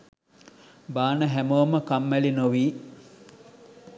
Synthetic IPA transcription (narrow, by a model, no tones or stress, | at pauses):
baːnəɦæmoməkamːælinoʋiː